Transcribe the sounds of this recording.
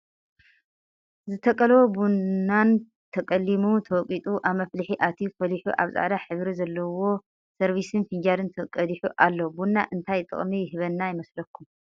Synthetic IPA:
zɨt̪ʰɐkʼɐlwobunːan | t̪ʰɐkʼɐlːimut̪ʰɐwɔkʼit̪ʼuʔaβmɐflɨħiʔat̪ʰifɐliħuʔa̰βzʼa̰ʕd̪aħɨβɾizɐlːɐwo̞ | sɐɾβisɨnfiɲd͡ʒad̪ɨnt̪ʰɐkʼɐd̪iħuʔalːɐbunːa̰ʔɨnt̪ʰajt̪ʼɨ̰χʼmijhɨβɐnːajɪmɐslɐkʰːum

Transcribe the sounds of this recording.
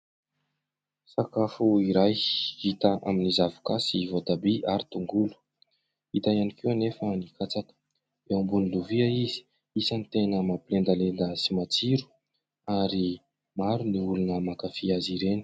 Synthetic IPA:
sakafuiɾajhit̪aʔa̰minizavu̥kasivod̪abiʔaɾit̪uŋɡulu̥ | it̪ajanikewnefənikʰat͡sakə̥ | eumbuniluviaizi̥ | isanit̪enəmapilend̪alend̪əsimat͡siɾu̥ | aɾi | maɾuniulunəmakafiaziɾeni̥

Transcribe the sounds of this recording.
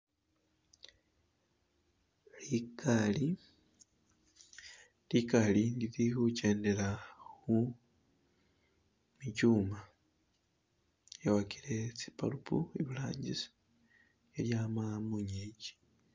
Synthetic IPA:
likʰali | likalindiðihuce̞ːndeɾaxu | micuːma | jaβakiɾe̞t͡si̥pa̰lupʰṵiβila̰ːɲɟis | jeljamamuɲeɟi̥

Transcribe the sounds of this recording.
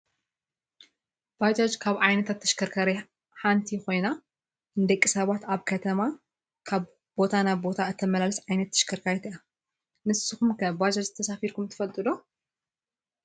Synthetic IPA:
b̥ajd͡ʒad͡ʒkʰaβʕajnɐt̪ʰat̪ʰːɐ̥ʃkʰɐɾkʰɐɾi | ħant̪ʰikʰo̞jna | ɨnd̪ɐkʼːisɐβat̪aβkʰɐt̪ʰɐma | kʰaβ | b̥o̞t̪ʰanaβbo̞t̪ʰaɨt̪ʰːɐmɐlalɨsʕajnɐt̪ʰːɐ̥ʃkʰɐɾkʰajt̪ʰɐa | nɨsːɨxumkʰɐbad͡ʒɐd͡ʒɨt̪ʰɐsafiɾkumt̪ʰɨ̥fɐlt̪ʼɨd̪o̞

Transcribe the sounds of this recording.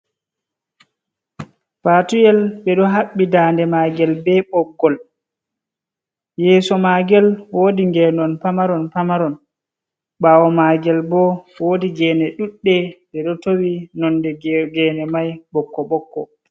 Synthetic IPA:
patujɛlɓɛɗɔɦaɓːidaːndɛmaːɡɛlbɛɓɔɡːɔl | jɛːsɔmaɡɛlwodiŋɡɛnɔnpamaɾɔnpamaɾɔn | ɓawɔmaɡɛlbɔwodiɡɛːnɛɗuɗːɛɗɛɗɔtowinɔndɛɡɛːnɛmajɓɔkːɔɓɔkːɔ

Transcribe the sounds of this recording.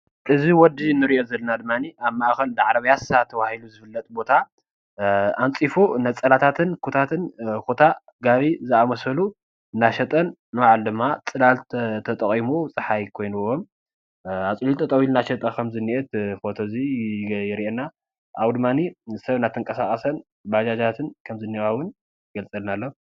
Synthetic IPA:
ʔɨziwɔd̪inːɨɾiʔo̞zɐlːɐnad̪ɨmːaniaβmaʔxɐld̪aʕɾɐβjasat̪ʰɐβahiluzɨfɨlːɐt̪ʼbo̞t̪ʰa | ant͡sʼifunɐt͡sʼɐlat̪ʰat̪ʰɨnkʰut̪ʰat̪ʰɨnkut̪ʰa | ɡaβizɨamɐsɐlu | naʃɐt̪ʼɐn | nɨwaʕald̪ɨmːat͡sʼɨlaltt̪ʰɐt̪ʼɐχʼimut͡sʼɨħajkʰo̞jnuwom | at͡sʼlit̪ʰɐt̪ʼɐwilnaʃɐt̪ʼɐkʰɐmzɨniʔɛt̪fo̞t̪ʰo̞zijɪɾiʔenːa | ʔawd̪ɨmːanisɐβnat̪ʰɨŋkʼɐsakʼɐsɐn | bad͡ʒad͡ʒat̪ʰɨnkʰɐmzɨnːiwawʊn | ɡɐlt͡sʼɐlnalːo

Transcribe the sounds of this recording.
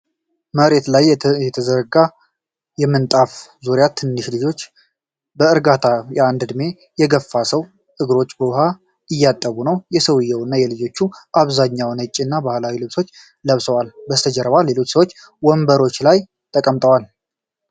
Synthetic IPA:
məɾe̞t̪lajjɛt̪ʰəzəɾɡa | jɛmːɨnt̪ʼafzuɾjat̪ʰɨnːɨʃlɨd͡ʒo̞t͡ʃː | bəɨɾɡat̪ʰajɛand̪ɨd̪ɨme̞ | jɛɡəfːasəw | ɨɡɾo̞t͡ʃːbəwʊha | ɨjːat̪ʼːəβunəwjɛsəwɨjːɛwɨnːajɛlɨd͡ʒo̞t͡ʃːuʔaβzaɲːawnət͡ʃʼːɨnːabahlawilɨβso̞t͡ʃː | ləβsəwalbəst̪ʰəd͡ʒɛɾəβale̞lo̞t͡ʃːsəwot͡ʃː | wɔmbəɾo̞t͡ʃːlaj | t̪ʼəkʼəmt̪ʼəwal

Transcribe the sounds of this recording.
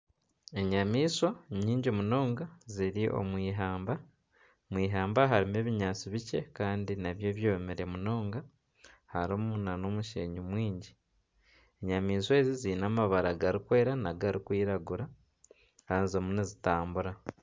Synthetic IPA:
e̞ɲamiːsoɲiːɲɟomuno̞ːŋɡaziɾiʔo̞̰mwiːɦaːmba | mwiːɦaːmbaɦaɾime̞ːβiɲaːt͡siβice̞kaːndinaβje̞ːβjo̞ːmeɾe̞muno̞ːŋɡa | haɾomunano̞muʃḛːɲumwiːɲɟi | eɲamiːswe̞ːziziːnaːmaβaɾaɡaɾikwe̞ːɾanaɡaɾikwiːɾaɡuɾa | hanzo̞munezitaːmbuɾa

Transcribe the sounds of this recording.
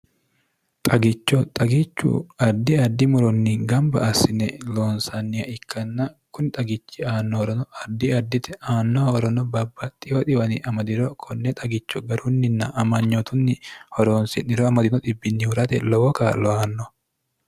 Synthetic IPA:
t̪ʼɐɡɪt͡ʃːɔt̪ʼɐɡɪt͡ʃːṵɐd̪ːɪɐd̪ːɪmʊɾɔnːiŋɡɐmbɐ̰ʔɐsɪnɛloːnsɐnːɪjɐɪkːɐnːɐ | kʊnɪt̪ʼɐɡɪt͡ʃːɪaːnːɔhɔɾɔnɔɐd̪ːɪɐd̪ːɪt̪ɛaːnːɔhɔɾɔnɔbɐbːɐt̪ʼɪjɔt̪ɪwɐnɪʔɐmɐd̪ɪɾɔkʰɔnːɛt̪ʼɐɡɪt͡ʃːɔɡɐɾunːɪnːɐʔːmɐɲːɔt̪ʊnːɪhɔɾoːnsɪnɪɾɔɐmɐd̪ɪnɔd̪ɪbːɪnːɪhʊɾɐt̪ɛlɔwɔkaːlɔaːnːɔ

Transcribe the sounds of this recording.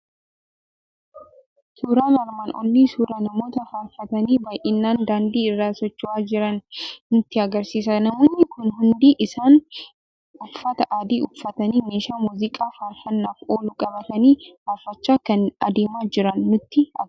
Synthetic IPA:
suːɾaːnɐɾmaːnʔɔ̰lːiːsuːɾaːnɐmo̞ːt̪ɐhaːfːɐt̪ɐniːbɐːjʔɪnːaːnd̪aːnd̪iːɪrːaːsɔt͡ʃːʊwaːd͡ʒɪɾɐnnʊt̪ːɪɐɡɐɾsiːs̬ɐnɐmoːnːɪkʊnɦʊnd̪iːʔɪsaːn | ʊfːɐt̪ɐʔaːd̪iːʔʊfːɐt̪ɐniːmeːʃaːmuːzɪkʼaːfɐɾfɐnːaːfoːlʊkʼɐbɐt̪ɐniːhaːfːɐt͡ʃːaːkɐnɐd̪eːmaːd͡ʒɪɾɐnːʊt̪ːɪɐ

